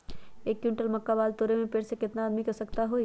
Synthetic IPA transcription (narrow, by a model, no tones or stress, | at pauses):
eːkjũɳʈəlmɐkːabaːlt̪oːɾemẽpeːɽsekɪt̪naːd̪mikɐsɐkt̪aɦoːi